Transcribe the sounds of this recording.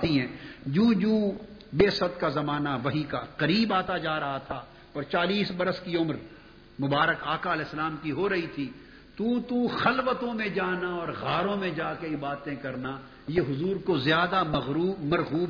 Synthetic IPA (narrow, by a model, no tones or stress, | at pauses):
t̪iɦɛ̃ːd͡ʒũːd͡ʒuːbeːsət̪kazɐmaːnaʋɐɦikaqɐɾiːbaːt̪ad͡ʒaːɾɐɦat̪ʰa | ɔːɾt͡ʃaːliːsbɐɾəskiʊmɾ | mʊbaːɾəkaːkaɐlɛːsːəlaːmkiɦoɾɐɦit̪ʰiː | t̪uːt̪uxɐlʋət̪õmẽd͡ʒaːnaɔːɾɣaːɾõmẽd͡ʒaːkeɪbaːt̪ẽkɐɾna | jeɦʊzuːɾkozjaːd̪amɐɣɾuːbmɐɾɣuːb